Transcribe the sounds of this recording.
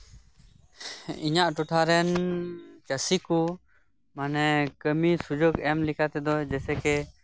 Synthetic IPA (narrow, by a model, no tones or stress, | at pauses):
iɲaʔʈuʈʰaɾɛn | t͡ʃəsiku | manɛkəmisud͡ʒoɡɛmlikʰat̪ɛd̪ɔd͡ʒɛsɛkɛ